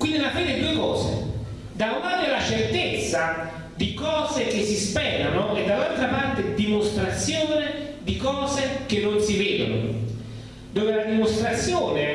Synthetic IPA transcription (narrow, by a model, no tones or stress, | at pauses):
kwind̪ilafɛːd̪ɛd̪uekɔːzḛ | d̪awmaːɾelat͡ʃert̪et̪sːa | d̪ikɔːzek̟esːispɛːɾanoɛd̪ːalːalt̪ɾapart̪ed̪imost̪ɾat̪sːjoːne | d̪ikɔːzek̟enːonsiveːd̪o̰no̰ | d̪oːvelad̪imost̪ɾat̪sːjoːne